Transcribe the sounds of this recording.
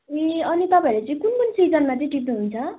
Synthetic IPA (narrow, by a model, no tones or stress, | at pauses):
eʌnit̪ʌpãʌɾet͡sʌĩkunkunsid͡zʌnmat͡sʌĩʈip̬̚nuɦunt͡sʰʌ